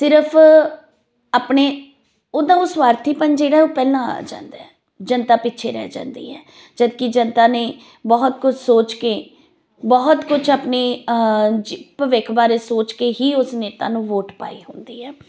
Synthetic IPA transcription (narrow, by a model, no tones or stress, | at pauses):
sɪɾəpʰ | aːpɳeː | oːd̪ãːʊsʋaːɾt̪ʰiːpənd͡ʒeːɽaːoːpɛːlãːa̰ːd͡ʒã̰ːnd̪aːɛ | d͡ʒənt̪aːpɪtːʃʰḛːɾɛ̰ːd͡ʒã̰ːnd̪ḭːɛː | d͡ʒəd̪kɪd͡ʒənt̪aːneː | bɔːt̪kʊt͡ʃʰsoːt͡ʃkeː | bɔːɦt̪kʊt͡ʃʰaːpneː | d͡ʒpəʋɪkʰbaːɾeːsoːt͡ʃkeːɦiːʊsneːt̪a̰ːnũːʋoːʈpa̰ːḭːɦʊnd̪iːɛː